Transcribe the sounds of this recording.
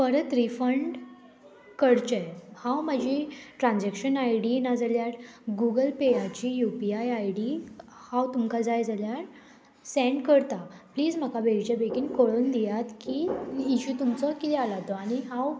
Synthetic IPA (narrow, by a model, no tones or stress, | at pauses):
pəɾət̪ɾifəɳɖ | kəɽt͡ɕejhãwmad͡ʑʱiʈɾãnd͡zɛkɕənajɽinad͡zaljaɾɡuɡəlpejat͡ɕijupiajajɽi | hãwt̪umkad͡zajd͡zaljaɾ | sɛ̃ɳɖkəɾt̪apliːd͡zm̤akabeɡt͡ɕabekiːnkəɭuːnd̪ijat̪kiiɕut̪umt͡sɔkit̪ɛalat̪ɔaɽ̃iɦãw